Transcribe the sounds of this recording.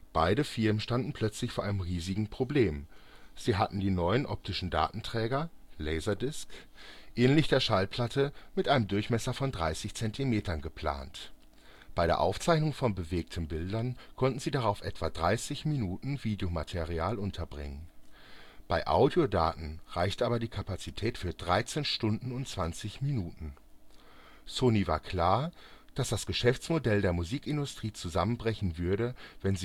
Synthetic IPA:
b̥aɪdəfɪɐmənʃtandn̩pʰl̥œt͡slɪçfoːɐʔaɪnəmʁiːzɪɡŋ̩pʁ̥obleːmz̥iːɦatn̩diːnɔʏənʔɔp̚tʰɪʃn̩da̰ːtn̩tʁ̥ɛːɡɐlɛɪzɐdɪsk | ʔɛːnlɪçd̥eːɐʃalpʰl̥atʰəmɪtʔaɪnəmdʊɐçmɛsɐfɔndʁa̰ɪsɪçt͡sɛntʰimeːtɐnɡəpʰl̥a̰ːnt | b̥aɪɾeːɐʔa̰ʊft͡saɪçnʊŋfɔnbəveːk̚tʰn̩bɪldɐnkʰɔntn̩ziːdaʁaʊfʔɛ̰tv̥adʁaɪsɪçminuːtn̩viːdejomatʰeʁiaːlʔʊntʰɐbʁɪ̰ŋən | b̥aɪʔa̰ʊdiodaːtn̩ʁaɪçtʔaːbɐdiːkʰapat͡sitʰɛːtfyːɐdʁaɪt͡seːnʃtʊndn̩ʊntt͡sv̥ant͡sɪçminuːtn̩ | soːniva̰ːɐkʰl̥aːɐd̥asd̥asɡ̥əʃɛft͡smodɛldeːɐmuziːkɪndʊstʁ̥iːt͡suzamənbʁɛçn̩vʏɐɾəvɛnzi

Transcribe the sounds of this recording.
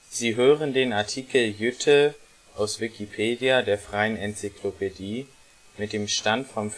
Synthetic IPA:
z̥iːɦøːʁəndeːnaɐtʰiːkl̩jʏtʰə | ʔaʊsv̥ɪkʰipʰeːdiadeːɐfʁ̥aɪənɛnt͡sikʰlopʰediː | mɪt̚d̥eːmʃtantfɔm

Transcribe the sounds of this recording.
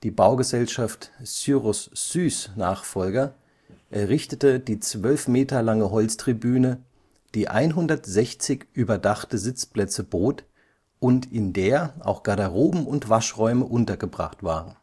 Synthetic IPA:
d̥iːbaʊɡəzɛlʃaftsyʁʊsːyːsnaːχfɔlɡɐ | ʔɛɐʁɪçtətəd̥iːt͡sv̥œlfmeːtɐlaŋəɦɔlt͡stʁ̥ibyːnə | d̥iːʔa̰ɪnɦʊndɐtz̥ɛçt͡sɪçʔyːbɐdaχtəzɪt͡splɛt͡səboːt | ʔʊntɪndeːɐʔa̰ʊxɡ̥adaʁoːbm̩ʊntv̥aʃʁɔʏməʔʊntɐɡəbʁa̰χtv̥aːʁən

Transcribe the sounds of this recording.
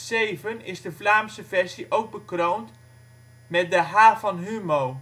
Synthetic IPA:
sejvənɪzdəflaːmsəvɛɹsiʔowk̚bəkroːnt | mɛt̚dəɦaːfɑnɦymo

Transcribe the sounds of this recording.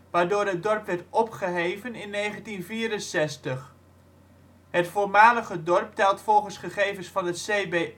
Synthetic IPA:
ʋaːɹdoːɹɦət̚dɔɹpʋɛɹtɔpχəɦejvənɪnːejχəntinviːɾənsɛstəχ | ɦətfoːɹmaːləχədɔɹp̚tɛlˠtfɔlˠχənsχəχejvənsfɑnɦətsejbe

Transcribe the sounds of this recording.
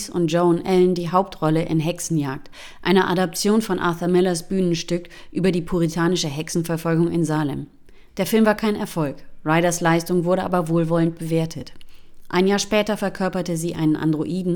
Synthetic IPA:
sʊ̰nt̚ʒ̥oʊnʔɛlndiːɦaʊp̚tʁɔləʔɪ̰nɦɛksn̩jaːk̚t | ʔa̰ɪnəʔadɔp̚t͡sjoːnfɔnʔa̰ɐθɐmɪlɐsb̥yːnənʃtʏkʔyːbɐdiːpʰuʁitʰaːnɪʃəɦɛksn̩fɛɐfɔlɡʊŋɪnzaːlɛ̰m | d̥eːɐfɪlmvaːɐkʰaɪnɛɐfɔlkʁaɪɾɐslaɪstʊŋvʊɐɾəʔa̰ːbɐvoːlvɔlənt̚b̥əveːɐtʰətʔaɪnjaːɐʃpɛːtɐfɛɐkʰœɐpɐtəziːʔaɪnənʔa̰ndʁoʔiːdn̩

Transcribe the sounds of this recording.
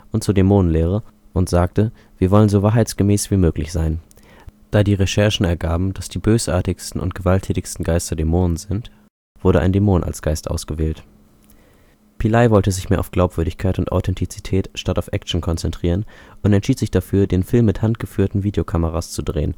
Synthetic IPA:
ʔʊntt͡suːɐdemoːnənleːʁ̞ə | ʔʊntz̥aːk̚tə | viːɐvɔlənzoːvaːɐɦaɪt͡sɡ̥əmɛːsv̥iːmøːklɪçz̥aɪn | d̥aːdiːʁeʃɛɐʃn̩ɛɐɡaːbm̩d̥asd̥iːbøːsʔa̰ːɐtɪçstn̩ʔʊ̰nt̚ɡ̥əvaltʰɛːtɪçstn̩ɡaɪstɐdemoːnənzɪnt | v̥ʊɐɾəʔa̰ɪndemoːnʔa̰lsɡ̥aɪstʔa̰ʊsɡ̥əvɛːlt | pʰilaɪvɔltəzɪçmeːɐʔaʊfɡ̥laʊpv̥ʏɐdɪçkʰaɪtʊntʔa̰ʊtʰɛntʰit͡sitʰɛːtʃtataʊfʔɛk̚t͡ʃn̩kʰɔnt͡sɛntʁ̥iːʁənʔʊntɛntʃiːtz̥ɪçd̥afyːɐdeːnfɪlmːɪthantɡ̥əfyːɐtn̩viːdeokʰaməʁast͡sudʁḛːən

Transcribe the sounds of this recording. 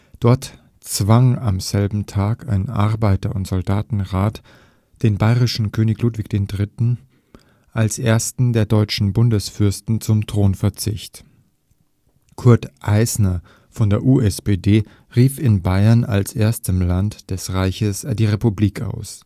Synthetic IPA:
d̥ɔɐt | t͡sv̥aŋamz̥ɛlbm̩tʰaːkʰa̰ɪnʔa̰ɐbaɪtɐʊntz̥ɔldaːtn̩ʁaːt | d̥eːnbaɪʁɪʃn̩kʰøːnɪçluːtv̥ɪçd̥eːndʁɪtn̩ | ʔalsʔeːɐstn̩deːɐdɔʏt͡ʃn̩bʊndəsfʏɐstn̩t͡sʊmtʁ̥oːnfɛɐt͡sɪçt | kʰʊɐtʔaɪsnɐ | fɔndeːɐʔuːɛspeːdeː | ʁiːfɪnbaɪɐna̰lsʔeːɐstəmlantd̥ɛsʁaɪçəsd̥iːʁepubliːka̰ʊs

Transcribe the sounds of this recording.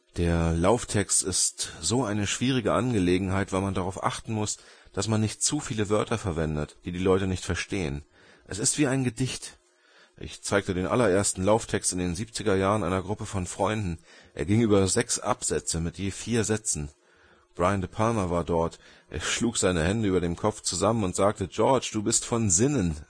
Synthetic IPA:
d̥eːɐlaʊftʰɛkstɪstz̥oːʔaɪnəʃv̥iːʁ̞ɪɡəʔanɡəleːɡŋ̩ɦaɪtv̥aɪlmandaʁaʊfʔa̰χtn̩mʊsd̥asmanːɪçt̚t͡sufiːləvœɐtɐfɛɐvɛndətd̥iːdiːlɔʏtənɪçtfɛɐʃteːə̰n | ʔɛsɪstv̥iːaɪnɡədɪçt | ʔɪ̰çt͡saɪk̚tədeːnʔa̰lɐʔeːɐstn̩laʊftʰɛkstɪndeːnziːpt͡sɪɡɐjaːʁənʔa̰ɪnɐɡʁʊpəfɔnfʁ̥ɔʏndn̩ʔḛːɐɡɪŋʔyːbɐzɛksʔa̰pz̥ɛt͡səmɪtjeːfiːɐzɛt͡sn̩ | b̥ʁaɪəndəpʰalmɐvaːɐdɔɐt | ʔḛːɐʃluːkz̥aɪnəhɛndəyːbɐdeːmkʰɔp͡ft͡suzamənʊntz̥aːk̚təd͡ʒɔɐt͡ʃd̥uːbɪstfɔnzɪnən

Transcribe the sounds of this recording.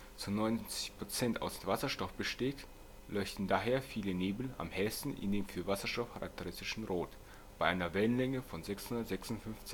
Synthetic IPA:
t͡sunɔʏnt͡sɪçpʁ̥ot͡sɛntʰa̰ʊsv̥asɐʃtɔfb̥əʃteːt | lɔʏçtn̩daːɦeːɐfiːləneːbl̩a̰mhɛstn̩ʔɪ̰ndeːmfyːɐvasɐʃtɔfkʰaʁa̰k̚tʰəʁɪstɪʃn̩ʁoːt | b̥aɪʔaɪnɐvɛlənlɛŋəfɔnzɛkshʊndɐtz̥ɛksʊntfʏnft͡sɪ

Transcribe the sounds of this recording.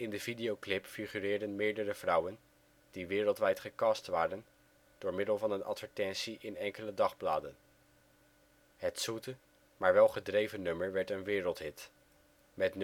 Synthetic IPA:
ɪndəvidejowklɪpfiχyrɪːɹdənmɪːɹdərəv̥rʌwən | d̥iʋɪːrəlˠtʋɛjtχəkɑːstʋaːrən | d̥ʊːɹmɪdəlˠvɑnənʔɑ̰tfəɹtɛnsiʔɪnɛŋkələdɑχblaːdən | ɦətsutə | maːɹʋɛlˠχədrejvənɵməɹʋɛɹtənʋɪːrəlˠtɦɪt | mɛtn

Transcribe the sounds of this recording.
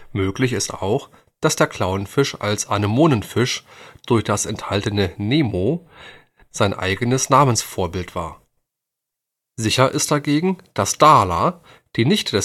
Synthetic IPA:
møːklɪçɪsta̰ʊx | d̥asd̥eːɐkʰl̥aʊənfɪʃa̰lsʔanəmoːnənfɪʃd̥ʊɐçd̥asɛnthaltənəneːmo | z̥aɪnʔa̰ɪɡənəsnaːmənsfoːɐbɪltv̥a̰ːɐ | zɪçɐʔɪst̚d̥aɡeːɡŋ̩d̥asd̥aːla | d̥iːnɪçtd̥ɛ

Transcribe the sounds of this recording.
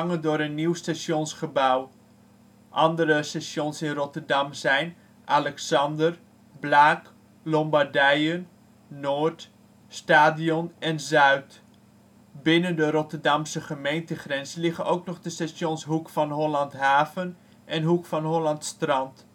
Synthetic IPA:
ŋədʊːɾənːiwstasjonsχəbaw | ʔɑndəɾəsasjonsɪnrɔtərdɑmzɛjn | ʔalɛksɑndər | blaːk | lɔmbardɛjənː | oːrt | staːdiɔnɛnzœɥt | bɪnəndəɾɔtərdɑmsəχəmejntəχrɛnzəlɪχənʔowknɔχdəstasjonsɦukfɑnɦolɑntɦaːvən | ʔɛnɦukfɑnɦolɑntstrɑnt

